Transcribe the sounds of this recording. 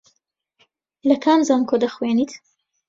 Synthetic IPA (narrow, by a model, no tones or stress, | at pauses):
lɐkʰaːnzaːnkʰod̪ɐxweːnit̪